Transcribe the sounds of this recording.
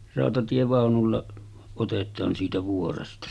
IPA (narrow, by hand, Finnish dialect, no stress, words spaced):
rɑˑotɑtieʋɑˑonulːɑ otetˑɑːn siːtæ ʋuorestɑ